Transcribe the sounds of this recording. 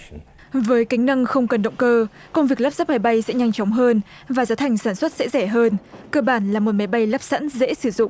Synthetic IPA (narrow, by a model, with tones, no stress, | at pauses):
vəː˨˦jka˨˦ŋ̟nə˧ŋxə˧wŋ͡mkə˨˩nɗə̰˧˨wŋ͡mkəː˧ | kə˧wŋ͡mvi˨˩ək̚lə˦˥p̚za˦˥p̚ma˨˦jɓa˧jsɛ̰˧˥ɲa˧jŋ̟t͡ɕɔ˨˦wŋ͡mɦəː˧n | vaː˨˩zaː˨˦t̪ʰa˨˩jŋ̟saː˧˩nswə˦˥t̚sɛ̰˧˥zɛ˧˩ɦəː˧nkəː˧ɓaː˧˩nlaː˨˩mo˨˩t̚ma˨˦jɓa˧jlə˦˥p̚sa̰˧˥nzḛ˧˥sɨ˧˩zʊ̰˧˨ŋ͡mʔ